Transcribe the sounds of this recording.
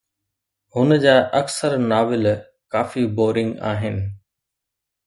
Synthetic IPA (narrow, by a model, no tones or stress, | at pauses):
ɦʊnəd͡ʑaːʔɐksəɾnaːʋɪl | kaːfiboːɾɪ̃ŋɡa̰ːɦɪnɪ̆